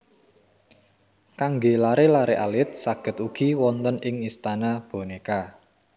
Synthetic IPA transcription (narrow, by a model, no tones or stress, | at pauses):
kaŋɡelaɾelaɾeʔalɪt̪̚saɡ̥ə̤t̪uɡ̥i̤wɔnt̪ənɪŋist̪anab̥o̤neka